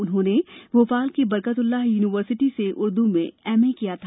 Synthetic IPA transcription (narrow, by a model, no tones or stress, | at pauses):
ʊnɦõːneʋofaːlkibɐɾkət̪ʊlːaɦjuːnɪʋəɾsɪʈiseʔʊɾd̪umẽɛːmekijat̪ʰa